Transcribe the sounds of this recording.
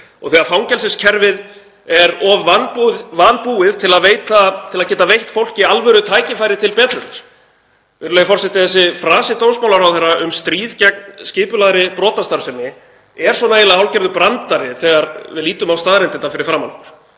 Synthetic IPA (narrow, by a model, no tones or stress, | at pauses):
ɔ̰ɣθɛːɣaɾfawŋcɛlsɪscʰɛɾvɪð | ɛɾɔvːanvanpuːɪðt̪ʰɪlaðveːjt̪at̪ʰɪlaðcɛːt̪avejht̪fowl̥cɪalvɛɾʏt̪ʰaːjcɪfajɾɪt̪ʰɪlpɛːt̪ɾʏnaɾ̥ | vɪɾlɛjafɔrsɛt̪ɪθɛsːɪfɾaːsɪt̪ownsmawlaɾawθejrːaʔʏmst̪ɾiːðcɛk̚nscɪːpʏlaːðɾɪpɾɔːt̪ast̪aɾ̥sɛmɪ | ɛɾ̥sɔnaːjɪlaawlcɛɾðʏpɾant̪aɾɪθɛːɣaɾvɪ̰ðliːt̪ʏmawst̪aːðɾɛnɪnt̪afɪɾɪɾ̥fɾaːmalɾ